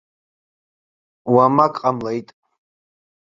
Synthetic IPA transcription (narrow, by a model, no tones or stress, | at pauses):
wamakʼqʼamlajtʼ